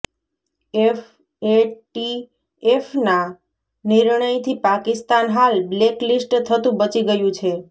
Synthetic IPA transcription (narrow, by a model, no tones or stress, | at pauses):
ef | eʈi | efna | niɾɳəjt̪ʰipakist̪anɦalbleklisʈt̪ʰət̪ũbət͡ʃiɡəjũt͡ʃʰe